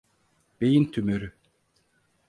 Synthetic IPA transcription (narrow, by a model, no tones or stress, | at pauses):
b̥ejint̪ʰymøɾy